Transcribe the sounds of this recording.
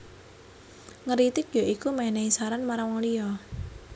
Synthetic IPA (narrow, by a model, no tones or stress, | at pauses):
ŋəɾit̪ɪk̚jɔʔikumaɛneisaɾanmaɾaŋwaŋlijɔ